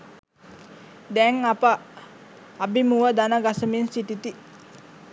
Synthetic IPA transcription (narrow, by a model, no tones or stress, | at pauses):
d̪ɛŋapə | abimuʋəd̪anəɡasəminsiʈit̪i